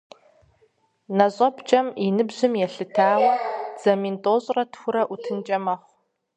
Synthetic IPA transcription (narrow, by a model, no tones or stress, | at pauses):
nɐɕʼɐbt͡ʃʼɐminɨbʑɨmjɛɬɨtʰaːwɐd͡z̥ɐmintʼoːɕʼrɐtxʷʊɾɐʔutʰɨnt͡ʃʼɐmɐχʷ